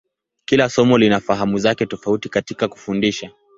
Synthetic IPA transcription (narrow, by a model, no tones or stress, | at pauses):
kilasɔmɔlinafaɦamuzakɛtɔfautikatikaku̥fundiʃa